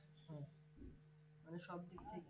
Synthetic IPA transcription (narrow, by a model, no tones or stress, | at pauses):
ɦɛ̃ | maneʃɔb̚d̪ikt̪ʰek